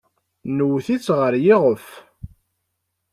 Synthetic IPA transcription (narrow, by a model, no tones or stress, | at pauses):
nwːθit͡sːʁəɾjɪʁəf